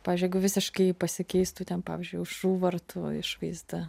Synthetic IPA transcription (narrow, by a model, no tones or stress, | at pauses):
pɑːʋʲzd͡ʒʲʊjɛɡʊʋʲɪsʲɪʃkɐɪpɐsʲɪkʲɛɪst̪uːt̪ʲɛnpɑːʋʲɪːzʲd͡ʒʲʊɪʊʃuːʋɐrt̪ʰʊɪ̰ʃʋɐɪzd̪ɐ